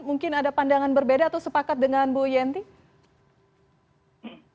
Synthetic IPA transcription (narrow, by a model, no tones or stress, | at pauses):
muŋkɪnadapandaŋanbərbedaːt̪awsəpakat̪̚dəŋanbujɛnt̪i